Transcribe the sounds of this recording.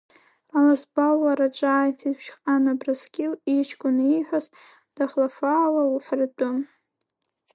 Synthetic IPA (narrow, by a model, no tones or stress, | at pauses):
alasbawaɾaʈ͡ʂʼaːjtʰipʰʃqʼanabraskʲʼɪlit͡ʃʰkʷʼʊniħʷaz | d̥aχlafaːlauħʷrtʼʊm